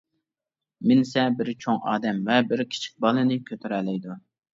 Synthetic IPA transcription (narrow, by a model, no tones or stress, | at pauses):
mɪnsɛbɪɾt͡ʃʰoŋɑ̰ːd̪ɛmvɛbɪɾkʲʰi̥t͡ʃʰi̥k̚ʲbɑlˠɨnɨkʲʰøt̪ʰyɾɛlɛjd̪u